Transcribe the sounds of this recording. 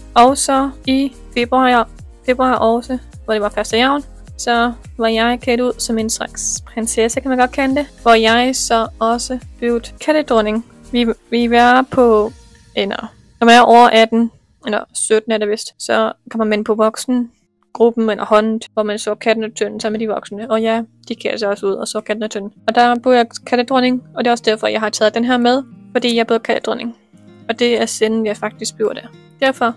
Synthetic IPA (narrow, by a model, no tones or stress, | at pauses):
ʔɒʊsɒ̽i | feb̥ʁuɑ | fe̝b̥ʁuɑ̰̈ʔɒsə | ʋɒɾ̥e̝ʋɑ̈fɶɐsd̥əjaʊ̰n | sɒ̽ʋɑ̈jɑ̈ɪkʰeduð̰ˠsɒ̽me̝nsʁaɡ̥spʰʁensesɒkʰæmænɡ̥ɒ̽d̥̚kʰænəd̥e̝ʋɒjɑ̈ɪsɒ̽ɒ̽səb̥eʊd̥kʰæɾ̥əd̥ʁɔne̝ŋ | ʋiʋiʋæɐpʰɒ̽ | ʔelɐ | nɒmænæʔɒʊ̰ɐʔæd̥n̩ | elɐsød̥n̩æɐɾeʋe̝sd̥sɒkʰæmænmenəpʰɒ̽ʋɒ̽ɡ̥sn̩ | ɡ̥ʁub̥m̩elʔɐhɒ̽nn̩ʋɒmænsɒ̰ːkʰæd̥næt͡sʰønn̩sɒmːed̥iʋɒ̽ɡ̥snəɒ̽jæd̥ikʰæ̰ls̬ɑɒsəuð̞̰ˠɒ̽sɒ̰kʰæd̥næt͡sʰønn̩ɒ̽d̥ɑb̥uɐjɑkʰæɾ̥əd̥ʁɔne̝ŋɒ̽d̥e̝ɒ̽səd̥æɐ̰fɒ̽jɑ̈ɪhɑ̈t͡sʰɛːð̩ˠd̥enɦeɐmeð̞ˠfɒd̥ḭːjɑ̈b̥o̝ɐkʰæl̥əd̥ʁɔne̝ŋ | ɒ̽d̥e̝æɐsed̥n̩jɑ̈ɪfɑ̈ɡ̥̚d̥isɡ̥̚b̥jo̝ɐ̰d̥æɐ | d̥æɐfɒ̽